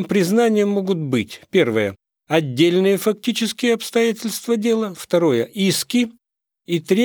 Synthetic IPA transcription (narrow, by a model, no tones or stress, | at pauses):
mpɾʲɪznanʲɪjəmːoɡʊt̪̚bɨtʲpʲe̞rvɨjə | ɐdʲːelʲnɨjəfɐktʲit͡ɕɪskʲɪjəɐpst̪ɐjæt̬ʲɪlʲst̪vədʲe̞lˠəft̪ɐɾo̞jəʔiskʲɪ | it̪ɾʲe